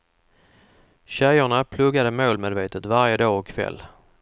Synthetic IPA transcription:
ɕæjʊɳapʰlɵɡːad̪əmoːlmed̪veːt̪ət̪vaɾjəd̪ɑːɔkʰːvɛ̰lː

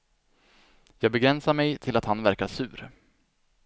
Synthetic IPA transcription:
jɑːɡ̚bɛɡɾɛnsaɾmɛjt̪ʰɪlat̪hanvæɾkaʂʉ̟̰ːɾ

